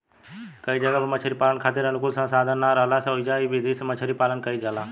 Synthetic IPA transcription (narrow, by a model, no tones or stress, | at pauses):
kəiːd͡ʒəɡaːbəmət͡ʃʰəɾiːpaːlənkʰaːt̪ɪɾənʊkʊsãːsaːd̪ʱanːaːɾəlaːsãoid͡ʒaːibid̪iːsmət͡ʃʰəɾiːpaːlənkəiːd͡ʒaːlaː